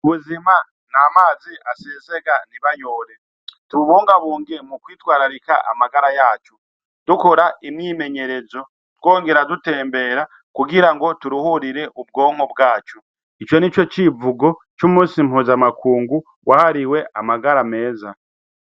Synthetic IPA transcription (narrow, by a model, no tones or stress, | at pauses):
βuzima | namaːziʔaseze̞ɡaniβaɲoɾe̞ | tuuβoːŋɡaβuːŋɡemukwiːtwaːɾaɾika̰ʔa̰maɡaɾajaːt͡ʃo | d̥ukoɾaʔimɲiːme̞ɲe̞ɾe̞zo̞ | two̞ːŋɡe̞ɾadute̞ːmbe̞ːɾa | kuɡiɾaŋɡo̞tuɾuhuɾiɾe̞ʔub̚ɡo̞ːŋ̥obɡaːt͡ʃo | it͡ʃo̞nit͡ʃo̞t͡ʃivuɡo̞t͡ʃumũːsim̥huːzamakuːŋɡu | wʔahaɾiwe̞ʔamaɡaɾame̞ːza